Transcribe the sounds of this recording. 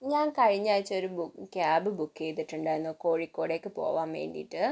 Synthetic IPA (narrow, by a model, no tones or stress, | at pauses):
ɲaːnkɐɻiɲːaːjt͡ɕːo̞ɾubukʲaːbɨbukːejt̪ːiʈːuɳɖaːjenːoko̞ːɻikːoːɽe̞kːɨpo̞̰ːʋaːmʋe̞̰ːɳɖḭiʈːɨ